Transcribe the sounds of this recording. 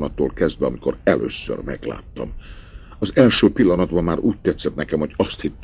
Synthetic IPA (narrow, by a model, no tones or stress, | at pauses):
nɒt̪ːo̰ːlkɛzd̪ʋɛɒmiko̞̰ɾɛlʔø̰ːsːø̰rmɛɡla̰ːt̪ːɒm | ɒzɛlʃøːpilːɒnɒd̪bɒmːaːɾuːc̚t̪ɛt̪sɛt̪̚nɛkɛmho̞ɟɒst̪hit̪ː